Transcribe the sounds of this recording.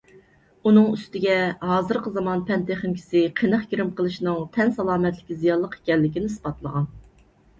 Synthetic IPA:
unɨŋyst̪ɪɡʲɛɦɑːzɨɾqəzɑmɑnpʰɛnt̪ʰeχɪmkʲʰi̥sɪqʰinəχkʲiɾɪmqʰəlˠɨʃnɨŋt̪ʰɛnsɑlˠɑːmɛt̪lɪkʲizijɑnlˠːəqe̥kʲɛlːɪkʲinɪsbɑt̪lˠəʁɑn

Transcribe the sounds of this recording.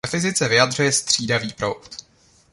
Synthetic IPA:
ɛfɪzɪt͡sɛvɪjad̪r̝ujɛst̪r̝̥iːdaviːpɾo̰wt̪

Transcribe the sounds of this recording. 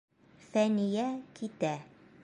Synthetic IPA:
θænijækʰit̪æ

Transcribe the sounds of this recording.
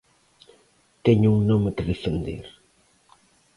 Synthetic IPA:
t̪ɛɲʊuŋnomekɪðefend̪ḛɾ

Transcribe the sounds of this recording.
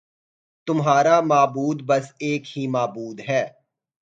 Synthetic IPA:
t̪ʊmɦaːɾamaːbuːd̪bɐseːkhimaːbuːd̪ɦɛː

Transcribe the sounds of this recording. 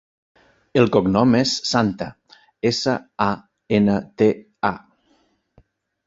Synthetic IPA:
elˠkoɡnɔmesːant̪ə | esəa | enət̪e | a

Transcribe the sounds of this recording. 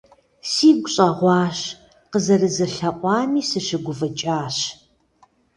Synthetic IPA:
siːɡʷʊɕʼɐʁʷɑːɕ | qəzɐrɨzɐɬɐqʷʼɑːmiːsɨʃɪɡʷʊvɐt͡ʃʼaːɕ

